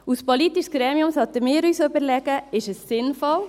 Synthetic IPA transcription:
uspolit̪iʃsɡ̥ɾɛːmiʊmshɑt̪ːəmɪːɾyːsøbəɾlɛɡ̥əɪʃəsːɪnfɔl

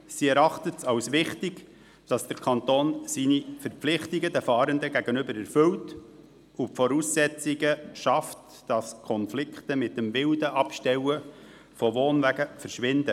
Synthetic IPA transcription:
siɛɾɑχtətsɑwsʋɪχtɪɡ | d̥ɑsd̥əɾkʰɑnt̪oːnsinifəɾplɪχtiɡədɛfɑːɾəndəɡæɡənɵbəɾəɾfɵwt | upfɔɾuːsːɛt͡siɡəʃɑft | d̥ɑskʰɔnflɪktəmɪt̚ːəmvɪldəʔɑpʃtɛwə | fɔʋoːnvæɡəfəɾʃʋɪndə

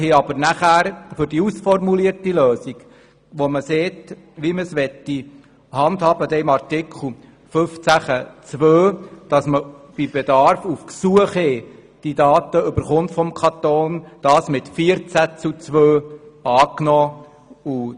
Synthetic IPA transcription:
heɑb̥əɾnæχæːɾfʏɾd̥iusfɔrmuliərtiløːsiɡ | ʋoməseːt | ʋiməsʋɛt̪ːi | hɑnd̪hɑːb̥əd̪ɛɪmɑrtɪkʰχl̩ˠ | fɵft͡sæχət͡sʋøːd̥ɑsməb̥ibed̪ɑɾfufksuəχhɛ | d̥idɑːt̪əʏbəɾχʊntfɔmkʰɑt̪oːnd̥ɑːsmɪtfiəɾt͡sæt͡sut͡sʋøːɑːknɔː | u

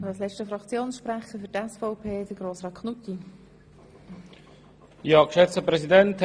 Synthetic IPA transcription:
ɑslɛt͡ʃʃtəfɾɑkt͡sjoːnsʃpɾæχəfyɾtɛsfɔʊpʰeːd̪̥əɡ̥ɾoːsʁɑːt̪̚kʰχnut̪ːi | jɑːkʃɛt͡səpɾɛsidɛnt

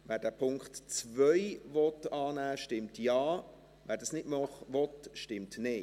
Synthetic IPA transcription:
vɛːɾd̥æːpʰʊŋktt͡svœʏvɔtɑːnæːʃtɪmtjɑː | vɛːɾdɑːsnɪdmɑχvɔtʃtɪmtnɪ

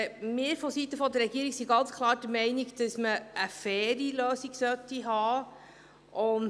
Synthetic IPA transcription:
mɪːɾfɔsit̪əfɔd̪əɾɛɡ̥iəɾiksiɡɑnt͡skʰlˠɑːɾd̥əmɛɪniɡd̥əsməʔəfɛːɾiløːsiɡ̥sœt̪ːiɦɑː | ʔʊn

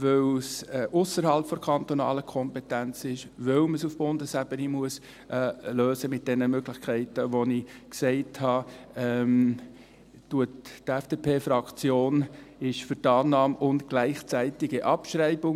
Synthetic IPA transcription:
vœwsʔʊsəɾhɑlpfɔɾkʰɑnt̪onɑ̰ːləkʰɔmpɛtænt͡sɪʃvœwməsufb̥ʊndəsæb̥ənimuəs | ʔɛløːsəmɪt̚d̥ɛnəmøɡlɪχkʰæɪtəʋoniksɛɪthɑːɛm | tuəttɛfd̥eːpʰeːfɾɑkt͡sjoːnɪʃfʏɾtɑːnːɑːmʊntɡ̥læɪχt͡sæɪtɪɡəʔɑpʃrɛɪbʊŋ

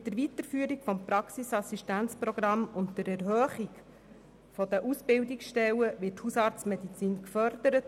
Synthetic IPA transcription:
tdəɾʋit̪əɾfyːəɾikfɔmpɾɑksisɑsiʃtænt͡spɾɔɡ̥ɾɑmʊntdəɾɛɾhœːχik | fɔd̥̪əʔusb̥ɪwdiksʃtɛwəʋɪːthusɑɾt͡smɛd̪it͡siːnkfœɾd̪̥əɾət

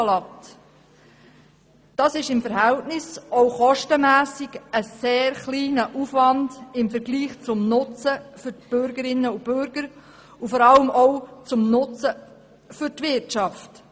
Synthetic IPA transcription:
lɑt | d̥ɑːsɪʃɪmfəɾhɛltnɪsɔʊχɔʃtəmæːsɪɡəseːɾχliːnəʔufʋɑndɪmfəɾɡliːχt͡sʊmnʊt͡səfʏɾb̥ʏɾɡəɾɪnːəub̥ʏɾɡ̥əɾ | ufɔɾɑləmɔwt͡sʊmnʊt͡sə | fʏɾtʋɪɾtt͡ʃɑft

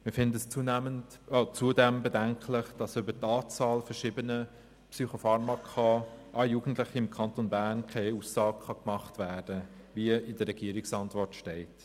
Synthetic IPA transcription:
mɪfɪndəəst͡suːnæmənt | ot͡suːədɛmbedɛŋkʰlɪχd̥ɑsʏbətɑːt͡sɑːlfɛʃiːbənə | psyχofɑɾmɑkʰɑʔɑjuːɡ̥n̩tlɪχiɪmkʰɑntonbæːɾnkʰeɪuːsːɑːɡ̚χɑkmɑχtvæːd̥əviəɪdəɾɛɡ̥iəɾɪksɑntvɔrtʃtɛɪt

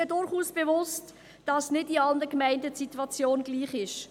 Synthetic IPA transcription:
ədʊɾχuːsb̥evʊst | d̥ɑsnɪdiɑlnəkmæɪndəsitwɑt͡sjoːnɡ̥liːχɪʃ

